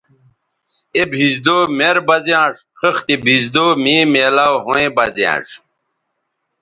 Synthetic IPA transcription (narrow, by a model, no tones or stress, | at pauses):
ebʱizd̪oːmeɾbɐzijãːʂ | xəxt̪ibʱizd̪oːmiːmeːlaːwɦõẽbɐzjã̰ːʂ